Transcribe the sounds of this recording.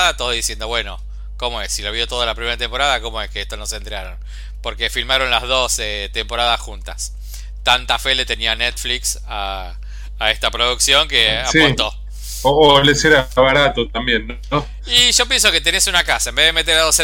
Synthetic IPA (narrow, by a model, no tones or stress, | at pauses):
at̪oðoðisje̞nd̪oβwe̞no̞ | ko̞mo̞esːiloβ̞iot̪o̞ðalapɾime̞ɾat̪e̞mpo̞ɾaðako̞moeskeest̪onosent̪ɾeaɾo̰n | po̞ɾkefilmaɾo̞nlaðo̞set̪empo̞ɾaðasxunt̪as | t̪ant̪afelet̪e̞nianet̪fliks | aː | est̪apɾoðuksjo̞ŋkeasiot̪o | oːleseɾaβaɾat̪ot̪ambjenː | o | iʒo̞pjens̬o̞ke̞t̪enesunakasaembe̞ðemet̪eɾaðose